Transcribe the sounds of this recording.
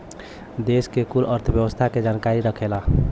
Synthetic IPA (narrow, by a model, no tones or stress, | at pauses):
d̪eskekuləɾt̪ʰəbjəwəst̪ʰaked͡ʒankaɾiɾəkʰela